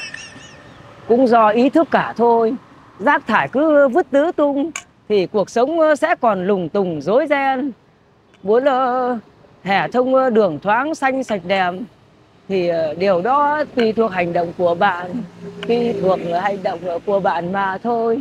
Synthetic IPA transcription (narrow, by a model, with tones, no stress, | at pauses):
kʊ̰˧˥ŋ͡mzɔ˧ʔi˨˦t̪ʰɨ˦˥kːaː˧˩t̪ʰo˧j | zaː˦˥k̚t̪ʰaː˧˩jkɨ˨˦˧vɨ˦˥t̚t̪ɨ˨˦t̪ʊ˧ŋ͡m | t̪ʰi˨˩ku˨˩ək̚sə˨˦wŋ͡msɛ̰˧˥kɔ˨˩nlʊ˨˩ŋ͡mt̪ʊ˨˩ŋ͡mzo˨˦jzɛ˧n | ɓu˨˦ənʔə˧ | hɛ˧˩t̪ʰə˧wŋ͡mɗɨ˨˩əŋt̪ʰwaː˨˦nsa˧jŋ̟sa˨˩jk̟̚ɗɛ˨˩m | t̪ʰi˨˩ɗe˨˩əwɗɔ˨˦t̪wi˧˩t̪ʰu˨˩ək̚ha˨˩jŋ̟ɗo̰˧˨wŋ͡mku˧˩əɓa̰ː˧˨nt̪wi˧t̪ʰu˨˩ək̚ha˨˩jŋ̟ɗə̰˧˨wŋ͡mku˧˩əɓa̰ː˧˨nmaː˨˩t̪ʰo˧j